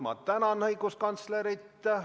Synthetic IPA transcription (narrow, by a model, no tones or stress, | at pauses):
mɑ̰t̪t̪ænɑnhɤjɡuskɑnt̪sleɾit̪ː